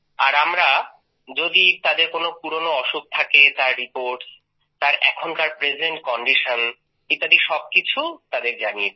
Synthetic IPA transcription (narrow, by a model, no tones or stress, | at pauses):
aɾamɾa | d͡ʑod̪it̪ad̪eɾkonopuɾonoɔʃuk̚t̪ʰaket̪aɾːipoɾʈs | t̪aɾʔɛ̰kʰont̪aɾpɾesʰideɳʈkɔɳɖiʃon | kit̪ad̪eɾʃɔb̚kit͡ɕʰut̪ad̪eɾd͡ʑanie